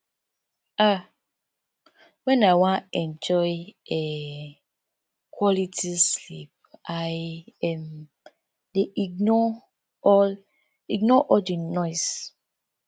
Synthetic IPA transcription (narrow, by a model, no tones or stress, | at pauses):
a | wɛ̃nawãɛ̃nd͡ʒɔjɛ | kwɔlitʰislip̚ajɛm | deiɡnɔ | ɔl | iɡnɔʔɔdinɔɪs